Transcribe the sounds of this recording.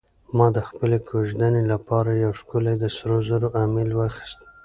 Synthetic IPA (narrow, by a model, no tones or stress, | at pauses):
mɑd̪əxpəlekʰoʒd̪anelapɑɾajawʃkulajd̪əsɾozəɾoʔamelwəxi̥st̪